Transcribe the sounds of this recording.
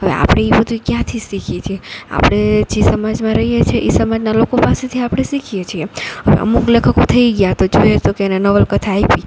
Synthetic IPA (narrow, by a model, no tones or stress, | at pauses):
ɦəʋḛa̰pɽ̃eibəd̪ʱukjãt̪ʰisikʰet͡ʃʰiea̰pəɽ̃ed͡ʒisəmad͡ʒmãɾəɦijet͡ʃʰeʔisəmad͡ʒnalokopaset̪ʰiapɽ̃esikʰijet͡ʃʰieɦəʋḛʔə̰muklekʰəkot̪ʰəiɡjat̪od͡ʒojet̪okeːnenəʋəlkət̪ʰaːipi